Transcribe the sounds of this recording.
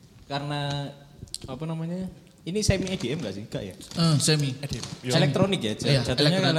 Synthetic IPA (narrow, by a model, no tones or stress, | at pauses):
kaɾna | apanamaɲa | inisɛmiad̥iʔɛmɡaʔsɪhɡ̥aʔja̰əsɛmidelɛkt̪ɾonɪkjad͡ʒ̥ajad͡ʒ̥a̤t̪uɲaal